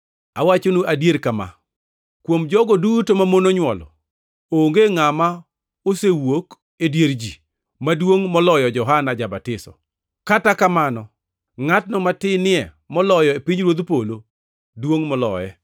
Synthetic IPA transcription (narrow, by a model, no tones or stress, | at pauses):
awat͡ʃonuʔadjeɾkama̰ | kwomd͡ʒɔɡɔdutomamonoɲwɔlɔ̰ | oŋɡeŋama | osewok | edjeɾd͡ʒi | madwoŋmɔlɔjɔd͡ʒɔɦanad͡ʒabatɪsɔ̰ | katakamanɔ | ŋatnɔmatɪnɪɛ | mɔlɔjɔepiɲɾwod̪polo | dwoŋmɔlɔ̰jɛ